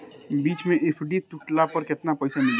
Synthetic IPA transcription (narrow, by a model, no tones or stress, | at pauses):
biːt͡ʃmẽʔepʰɖit̪ʊʈlapɐɾkɪt̪napɛːsamɪl